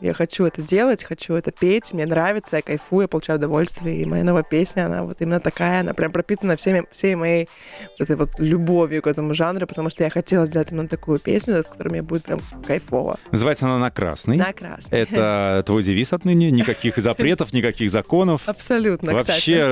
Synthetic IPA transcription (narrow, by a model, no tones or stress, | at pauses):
ja̰xɐt͡ɕuɛt̪ədʲelˠətʲxɐt͡ɕuɛt̪əpʲetʲmnʲenɾavʲɪt̪səjakɐjfujapəlˠʊt͡ɕæjʊʊd̪ɐvolʲst̪vʲɪjəḭmɐja̰novəpʲesʲnʲəɐna̰vo̞̰t̪imɪnːət̪ɐkajəɐna̰pɾʲʔampɾɐpʲit̪ənəfsʲemʲɪfsʲejmɐjej | vot̪ɛt̪əjvo̞t̪lʲʊbo̞vʲjʊkɛt̪əmʊʐanɾʊpət̪ɐmuʂt̪ojaxɐtʲelˠəs̬ʲdʲelˠətʲimʲɪnət̪ɐkujʊpʲḛsʲnʲʊskɐ̥t̪oɾɨjmɪnʲjabudʲɪt̪̚pɾʲa̰mkɐjfo̰və̰nəzɨvajɪt̪səɐnanɐkɾa̰snɨjnɐkɾa̰snɛt̪ət̪vo̞jdʲɪvʲisɐt̪nɨnʲɪnʲɪkɐkʲixzɐpɾʲe̞t̪əfnʲɪkɐkʲixzɐko̞nəfɐpsɐlʲut̪nəvɐp̪aɕːe